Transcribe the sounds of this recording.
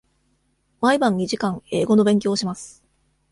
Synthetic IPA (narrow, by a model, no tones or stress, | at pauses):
maibãɲ̟iʑikãŋe̞ːɡo̞no̞bẽŋk̬ʲo̞ːɕimasɨ̥